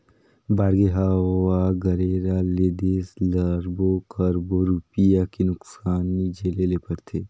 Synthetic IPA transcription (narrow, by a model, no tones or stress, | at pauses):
baːɾɡeɦaaɡɐɾeːɾaleːd̪eːslɐɾbokɐɾboɾuːpijakenʊksaːnːid͡ʒeːlelepəɾt̪ʰeː